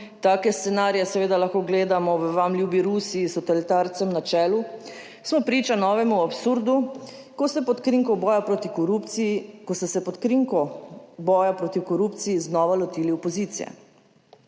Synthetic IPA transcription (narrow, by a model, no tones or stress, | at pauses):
t̪aːkɛst̪sɛnaːɾijɛsɛʋeːd̪alaxkoːɡleːd̪amɔʋəʋamlʲjuːbiɾusiːst̪ɔt̪ɛlit̪aɾt̪sɛmnat͡ʃɛːlu | smɔpɾiːt͡ʃanɔːʋɛmuapsuɾd̪u | ksɛpɔt̪kɾiŋkɔbɔːjapɾot̪i | kɔsɛsɛpɔt̪kiŋkɔbɔːjapɾoːt̪iwkɔɾupt̪siːznɔːʋalɔt̪iːliɔpɔzit̪sḭjɛ̰